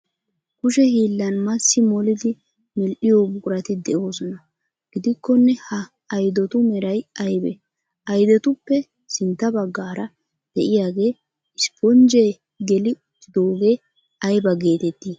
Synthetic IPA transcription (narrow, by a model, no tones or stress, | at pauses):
kʊʃɛhiːlːɐnmɐsːɪmɔlɪd̪ɪ | mɛlʔɪjobʊkʼʊɾɐt̪ɪd̪ɛʔo̞ːsɔnɐ | ɡ̥ɪd̪ɪkːɔnːɛhɐː | jd̪ɔt̪ʊmɛɾɐjɐjbɛ̰ | ɐjd̪ɛt̪ʊpːɛ | sɪnt̪ːɐbɐɡːaːɾɐ | d̪̥ɛʔɪjaːɡe̞ː | ɪspɔnd͡ʒeː | ɡɛlɪ | t̪ːɪd̪o̞ːɡe̞ː | ɐjbɐɡe̞ːt̪ɛt̪ːiː